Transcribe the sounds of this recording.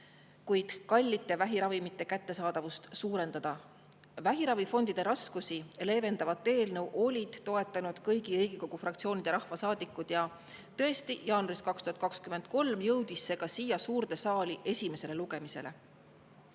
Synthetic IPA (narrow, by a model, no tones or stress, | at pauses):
kujd̪̥kɑlʲːit̪ːˑevæɦiɾɑvimit̪ːˑe̞kæt̪ːe̞sɑːd̪ɑvust̪suːɾe̞nd̪ɑd̪̥ɑ | væɦiɾɑvifo̞nd̪id̪̥e̞ɾɑskusile̞ːve̞nd̪ɑvɑt̪ˑːe̞ːlnɤwʔo̞lʲid̪̥ːo̞e̞t̪ːˑɑnud̪̥kɤjɡ̥iɾiːɡ̥iko̞ɡ̥ufrɑkt̪sio̞ːnʲid̪̥eɾɑhvɑsɑːd̪̥ikːˑud̪̥jɑ | t̪ɤe̞st̪ijɑːnuɑɾiskɑkst̪uhɑt̪kɑkskyme̞nd̪̥̚ko̞lmjɤwd̪̥isːe̞ɡ̥ɑsiːjɑsuːɾd̪e̞sɑːliʔe̞sʲime̞se̞le̞luɡ̥e̞mise̞̰le̞